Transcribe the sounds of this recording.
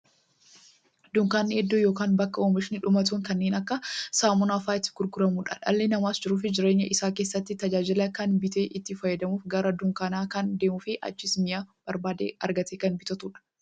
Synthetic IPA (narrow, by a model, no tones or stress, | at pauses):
d̪ʊŋkaːnːɪɛd̪ːojo̞ːkaːnbɐkːɐoːmɪʃɪnɪᶑʊmɐt̪̬uːŋkɐnːeːnɐkːɐsaːmɔnaːfaːɪt̪ːɪ̥ɡ̥ʊɾɡʊɾɐmuːᶑɐ̰ᶑɐ̰lːenɐmaːsd͡ʒɪɾuːf̬ɪd͡ʒɪɾeːɲːɐʔɪsaːkeːsːɐt̪ːɪt̪ɐd͡ʒaːd͡ʒɪlɐkɐnbɪt̪eːʔɪt̪ːɪfɐjːɐd̪ɐmuːfɡɐɾɐd̪ʊŋkaːnaːkɐnd̪eːmʊfɪʔɐ̰t͡ʃːɪsmɪjab̥ɐɾbaːd̪ḛːɐɾɡɐt̪eːkɐnbɪt̪ɐt̪uːᶑɐ̥